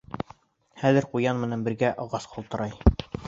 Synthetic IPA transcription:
χæðɘ̆ɾqujɑnmɘ̆nænbɘ̆ɾɡæʔɑʁɑsqʰŏlˠt̪ɤ̆ɾɑj

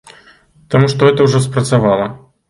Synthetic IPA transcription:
t̪amuʂt̪ɔɦɛt̪ɐwʐɔspɾɐt̪savalˠɐ

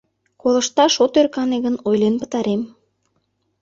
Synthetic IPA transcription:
kolə̆ʃt̪ɑʃot̪ørkɑneɣə̆nojlenpə̥̆t̪ɑɾem

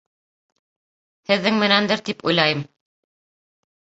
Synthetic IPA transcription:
hɘ̆ðːɘŋmɘ̆nænd̪ɘɾt̪ipṵjlˠɑjɤm

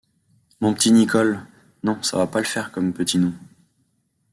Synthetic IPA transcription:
mɔ̃pət̪inikɔl | nɔ̃sa̰vapaləfɛʁkɔmpət̪inũ

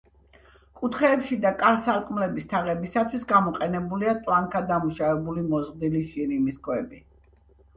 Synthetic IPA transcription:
kʼut̪ʰχɛːpʃid̪akʼaɾsaɾkʼmlɛbist̪ʰaʁɛbisat̪ʰwisɡamɔqʼɛnɛbuliat̪ʼlˠaŋkʰad̪amuʃavɛbulimɔzʁd̪iliʃiɾimiskʰʼwɛbi

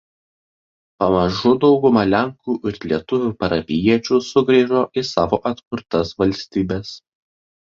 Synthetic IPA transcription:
pɐmɐʒʊd̪ɒʊɡʊmɐlʲæŋkuːʔɪɾlʲiɛt̪ʊʋʲuːpɐɾɐpʲɪjiɛt͡ʃʲuːsʊɡɾʲiʒoːʔɪsɑːʋoːʔɐt̪kʊɾt̪ɐsʋɐlʲsʲt̪ʲiːbʲɛs

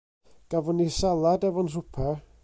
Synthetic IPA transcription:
ɡ̥avɔnisalˠadɛvɔnrʊpʰɛ

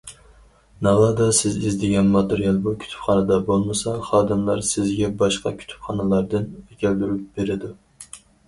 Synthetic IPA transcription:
nɑlˠɑd̪ɑsɪzizd̪ɪɡʲɛnmɑt̪ɨɾijɑlˠbukʲʰy̥t̪ʰy̥pχɑnɨd̪ɑbolˠmɨsɑχɑːd̪ɨmlˠɑɾsɪzɡʲɛbɑʃqɑkʲʰy̥t̪ʰy̥pχɑnɨlˠɑɾd̪ɨnɛkʲɛld̪yɾyp̚beɾɪd̪u

